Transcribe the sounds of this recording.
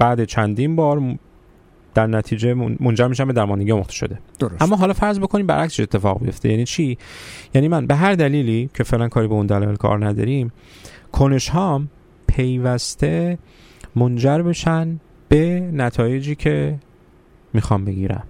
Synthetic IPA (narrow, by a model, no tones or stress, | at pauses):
b̥æːd̪et͡ʃʰænd̪inbɒːɾ | d̪̥æɾnæt̪ʰiːd͡ʒemond͡ʒæɾmiːʃ̬æmbe̞d̪æɾmɒnd̪eɟimoxt̪e̥ʃo̞̰d̪e̞d̪oæmːɒːɦɒːlɒːfæɾzbo̞kʰo̞niːmbæ̰ɾʔæksiet̪ːe̞fɒ̰ːɣbejo̞ft̪e̞jæniːt͡ʃʰijæːniːmænbe̞ɦæɾd̪æliːlicʰe̞fe̞ʔlænkʰɒːɾibeund̪ælɒ̰jelkʰɒ̰ːɾnæd̪ɒ̰ɾim | kʰone̞ʃhɒːm | pʰe̞jvæst̪ʰe̞ | mond͡ʒæɾbeʃæn | b̥e̞næt̪ʰɒːje̞d͡ʒiːcʰe̞ | miːxɒmbe̞ɡiːɾæ̰m